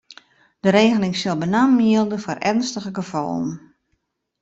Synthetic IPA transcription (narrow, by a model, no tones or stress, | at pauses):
d̥əɾeːɣəlɪŋsɪlˠbənaːmiəlˠdəfɔrʔɛ̰rnstəɣəɡəfɔ̰lˠən